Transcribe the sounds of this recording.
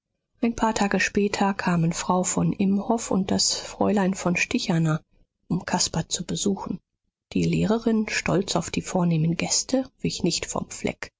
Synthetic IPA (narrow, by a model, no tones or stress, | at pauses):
ʔaɪnpʰaːɐtʰaːɡəʃpɛːtʰɐkʰaːmənfʁ̥aʊfɔnʔɪmhɔfʊ̰nt̚d̥asfʁ̥ɔ̰ʏlaɪnfɔnʃtɪçana | ʔʊmkʰaspɐt͡subəzuːxn̩ | d̥iːleːʁəʁɪnʃtɔlt͡saʊfd̥iːfoːɐneːmənɡɛstʰəv̥ɪçnɪçtfɔ̰mflɛ̰k